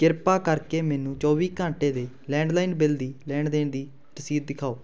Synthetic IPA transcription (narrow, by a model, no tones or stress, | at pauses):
kɪɾpaːkəɾkeːmɛːnũːt͡ʃɔːʋiːkãːɳʈeːd̪eː | lɛ̃ːɳɖlaːinbɪld̪iːlɛːɳɖd̪eːnd̪iː | ɾəsiːd̪̚d̪ɪkʰaːoː